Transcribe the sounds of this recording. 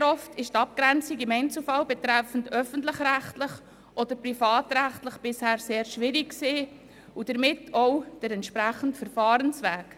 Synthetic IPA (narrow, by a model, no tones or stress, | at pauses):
ɾɔftɪʃtɑp̚kɾɛnt͡siɡɪmɛɪnt͡səfɑlbɛt̪ɾɛfən̩dœfən̩tləχræχtlɪχ | ʔɔd̥əɾprifɑːtɾæχtləχb̥ɪshæːɾseːɾʃʋɪɾikkseː | ud̥əɾmɪtɔʊd̥əɾɛntʃpɾæχəntfəɾfɑːɾənsvæːk